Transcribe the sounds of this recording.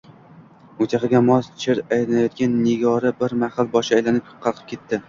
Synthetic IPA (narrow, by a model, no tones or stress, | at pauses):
ʊt̪ʰʲaχɨɡʲamɒst͡ʃʰɪɾajlanajɒt̪̚ɡʲanːɪɡʲɒɾɪbɪɾmahlbɒʃɪaːjlanɪp̚qʰɑlˠqʰɨ̥p̚kʲe̞t̪ːɪ